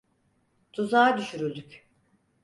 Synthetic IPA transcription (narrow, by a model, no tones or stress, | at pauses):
d̪̥uzaːd̪yʃyɾylʲd̪yk